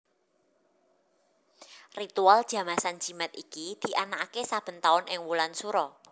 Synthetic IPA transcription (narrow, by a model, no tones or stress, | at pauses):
rit̪uald̥ʒ̥ä̤masan̥d͡ʒ̥i̤mɛt̪ikid̪̥i̤ʔanaʔakesab̥ə̤nt̪aʊnʔɪŋwulansuɾɔ